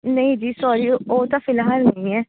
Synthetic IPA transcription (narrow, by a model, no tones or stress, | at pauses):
nɐĩd͡ʒiːsɔːɾiːoːt̪ãːfɪlɦaːɾnɐĩɛː